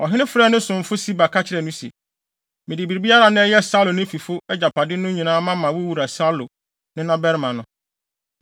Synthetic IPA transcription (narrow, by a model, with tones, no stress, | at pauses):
ɔ˨ɦɪ˦ɪ̃˦fɾɛ˦˨nɪ̃˦sʊ̃˨m̩˨fʊ˦si˦ba˨kʰa˦t͡ɕʰɪ˨ɾɛ˨nʊ̃˦si˨ḛ˨ | mɪ̃˨dɪ˨bi˨ɾbi˦a˦ɾa˨nɪ̃˦ɛ˦jɛ˦sa˦lo˨nɪ̃˦fi˨fʊ˦ɛ˦d͡ʑa˨pʰa˨dɪ˦nʊ̃˦ɲĩ˨nãː˦mã˦mã˨wʊ˦wu˨ɾa˨sa˦lʊ˨ | nɪ̃˦nã˦bɛ˦ɾmã˨nʊ̃˦